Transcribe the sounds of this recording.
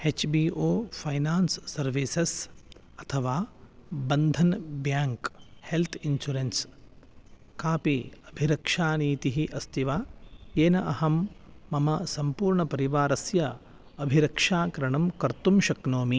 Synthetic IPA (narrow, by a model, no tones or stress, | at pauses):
et͡ʃbiːoːpʰɐjnaːnsːɐɾʋiːses | ɐt̪ʰɐʋaːbɐnd̪ʱɐnbjaːŋkhelt̪ʰinsuɾens | kaːpiɐbʱiɾɐkʂaːniːt̪iɦiʔɐst̪iʋaːeːnɐʔɐɦɐmːɐmɐsɐmpuːɾɳɐpɐɾiʋaːɾɐsjɐ | ɐbʱiɾɐkʂaːkɐɾɐɳɐmkɐɾt̪umʃɐknoːmi